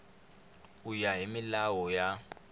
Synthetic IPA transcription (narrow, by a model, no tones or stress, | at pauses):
ujaɦimilawɔja